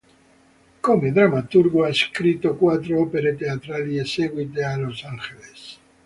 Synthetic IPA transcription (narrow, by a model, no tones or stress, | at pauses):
komeðɾamat̪uɾɣoaeskɾit̪okwat̪ɾoopeɾet̪eat̪ɾalieseɣwit̪̬ealosaŋxeles